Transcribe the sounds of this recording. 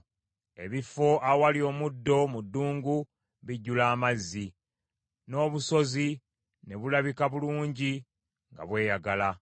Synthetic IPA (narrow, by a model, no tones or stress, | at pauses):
e̞βifːo̞ʔawalio̞mudːo̞mudːuːŋɡu | βiɟːulaːmazːi | no̞ːβuso̞zi | ne̞βulaβikaβuluːɲɟi | ŋɡa̰βwe̞ːjaɡala